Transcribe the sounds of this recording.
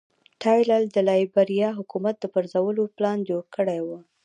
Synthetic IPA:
ʈʰɑjlald̪əlɑjbaɾijɑɦʊkumat̪̚d̪əpəɾzawəloplɑnd͡ʒoɽkəɽewu

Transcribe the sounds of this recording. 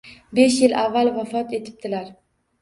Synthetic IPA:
be̞ʃjɪlʔavːalˠvafɒt̪ʰe̞t̪ʰɪ̥p̚t̪ʰɪlaɾ

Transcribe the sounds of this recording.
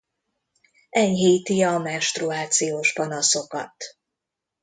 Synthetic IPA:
ɛɲɦiːt̪iɒmɛnʃt̪ruaːt̪sijoːʃpɒnɒso̞kɒ̰t̪

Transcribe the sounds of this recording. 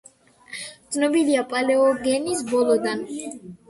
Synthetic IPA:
d̪sʰnɔbiliapʼalɛɔɡɛnisbɔlˠɔd̪an

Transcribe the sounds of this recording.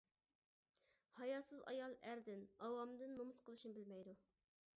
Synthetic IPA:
hɑjɑsɨzɑ̰jɑlˠæɾd̪ɪnɑwɑmd̪ɨnːomut̪qʰəlˠɨʃnbɪlmɛjd̪u

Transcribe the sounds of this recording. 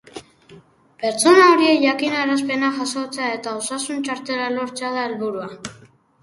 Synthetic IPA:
beɾt͡sʰunaoɾiejakinaraspenaχasot͡sʰeaet̪aosasunt͡ʃʰaɾt̪eɾaloɾt͡saðaelβuɾua

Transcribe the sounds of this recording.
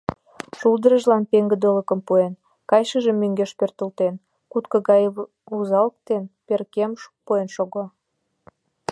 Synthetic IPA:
ʃuld̪əɾəʒlɑnpeŋɡə̆d̪oləkə̆mpuen | kɑjʃəʒəmːøŋɡeʃpørt̪ə̆lt̪en | kut̪kə̆ɣɑj | uzɑlk̚t̪enperkemʃpuenʃoɣo

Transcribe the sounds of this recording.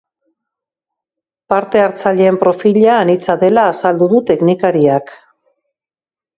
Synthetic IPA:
paɾt̪e̞aɾt͡saʎeːmpɾo̞fiʎaːnit͡saðe̞laːsald̪uðut̪e̞knikaɾiak

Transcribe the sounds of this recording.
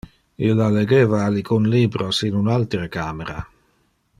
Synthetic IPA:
ilːaleɡeːvaːlikʰunliːbɾosinunalt̪ɾəkaːmeɾa̰

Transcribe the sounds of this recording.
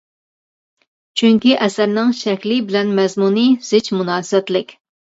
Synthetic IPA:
t͡ʃʰyŋkʲiʔɛsæɾnɪŋʃɛkʲlɪbɪlɛnmɛzmuniz̥ɪt͡ʃmunɑːsɛt̪lɪkʲ

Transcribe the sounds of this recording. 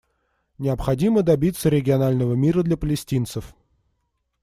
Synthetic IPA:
nʲɪɐpxɐdʲiməd̪ɐbʲit̪səɾʲɪɡʲɪɐnalʲnəvəmʲiɾəd̪lʲɐpəlʲɪsʲtʲint̪səf

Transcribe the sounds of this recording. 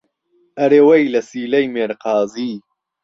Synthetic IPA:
ʔɐɾeːwɐjlɐsiːlɐjmeːɾqɑːziː

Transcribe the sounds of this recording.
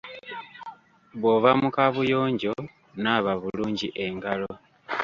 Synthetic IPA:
βwoβamukaβujo̞ːɲɟo̞ | naːβaβuluːɲɟiʔe̞ŋɡalo

